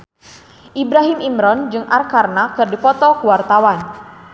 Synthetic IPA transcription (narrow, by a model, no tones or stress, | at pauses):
ʔibɾaɦimimɾɔnd͡ʒɨŋʔarkarnakɨrdipɔt̪ɔkuwart̪awan